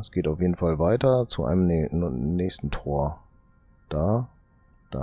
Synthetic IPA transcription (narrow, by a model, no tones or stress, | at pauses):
ɛsɡ̥eːtaʊfjeːdn̩falvaɪtɐt͡suʔa̰ɪnəmnɛːçstn̩tʰoːɐ | d̥aː | d̥a̰